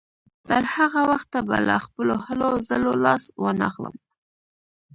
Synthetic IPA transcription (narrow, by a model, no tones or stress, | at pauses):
t̪əɾhaɣawaxt̪ːabalaxpəlohalozəlolɑswənaxlə̰m